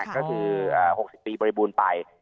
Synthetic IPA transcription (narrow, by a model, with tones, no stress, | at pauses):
kːɔː˥˩kʰɯː˧ʔaː˨˩ho˨˩k̚si˨˩pːiː˧bɔː˧ɾi˧buː˧npa˧j